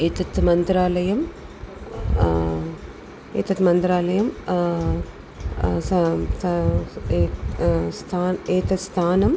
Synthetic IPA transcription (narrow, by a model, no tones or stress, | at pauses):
eːt̪ɐt̪mɐnd̪ɾaːlɐjɐm | ḛːt̪ɐt̪mɐnd̪ɾaːlɐjɐm | s | st̪ʰaːneːt̪ɐst̪ʰaːnɐm